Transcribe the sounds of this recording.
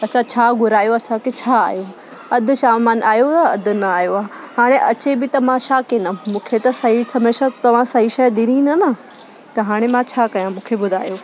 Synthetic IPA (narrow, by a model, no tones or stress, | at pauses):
ɐsãt͡ɕʰaːɡʱʊɾaːjoɐsãkʰet͡ɕʰaːa̰ːɦjo | ɐd̪ʱʊ̆ʃaːmaːnʔaːjot̪ɐɐd̪ʱʊnɐaːjoaːɦɦaːɽ̃eʔɐt͡ɕebɪt̪ɐmãʃaːkenɐmũːkʰet̪ɐsɐɦisɐmeːʃat̪ɐʋ̤ãsɐɦiʃɐjd̪iɾ̃ĩnɐnɐ | t̪ɐɦaːɽ̃emãt͡ɕʰaːkɐjãmũːkʰebʊd̪ʱaːjo